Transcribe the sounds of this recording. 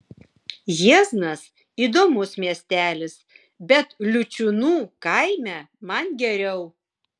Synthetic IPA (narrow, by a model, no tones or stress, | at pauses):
jiɛznɐs | iːd̪oːmʊsmʲiɛsʲt̪ʲæːlʲɪs | bʲɛt̪lʲʊt͡ʃʲʊnuːkɐɪmʲɛ | mɐnɡʲɛɾʲɛʊ